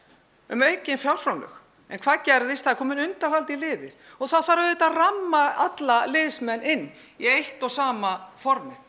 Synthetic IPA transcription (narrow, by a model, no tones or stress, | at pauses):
ʏ̰mœɥcɪnfjawlfɾamlʏ̰x | ɛ̰nkʰvaːðcɛɾðɪst̪θaðkʰɔːmɪnʏnt̪ahalt̪ilɪːðɪɾ̥ | ɔɣθaðfaɾœðɪt̪aðramːaat̪lalɪːðsmɛnːʔɪnː | iejht̪ɔɣsaːmafɔɾmɪθ